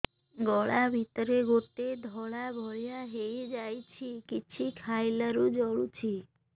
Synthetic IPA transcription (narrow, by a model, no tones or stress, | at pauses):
ɡɔɭabʱit̪ɔɾeɡoʈed̪ʱɔɭabʱɔjaɦejd͡ʒajt͡ʃʰikit͡ʃʰikʰajlaɾud͡ʒɔɭut͡ʃʰi